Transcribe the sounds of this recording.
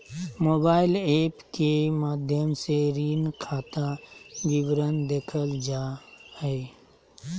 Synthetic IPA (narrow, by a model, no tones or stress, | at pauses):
moːbaːɪleːpkemaːd̪ʱjəmseɾiːnkʰaːt̪aɡɪbɾənd̪eːkʰəld͡ʒahɛe